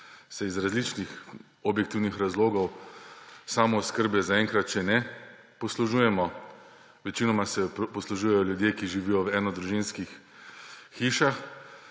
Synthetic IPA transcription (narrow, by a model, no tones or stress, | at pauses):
sɛizɾazlit͡ʃnix | ɔbjɛkt̪iwnixɾazloːɡɔw | saːmɔskəɾbɛzaɛŋkɾat̪̚t͡ʃɛnɛ | pɔsluʒujɛmɔ | ʋɛt͡ʃinɔmasɛpɔsluʒujɛjɔljud̪jeːkiʒiʋijɔwɛːnɔd̪ɾuʒinskixː | iːʃax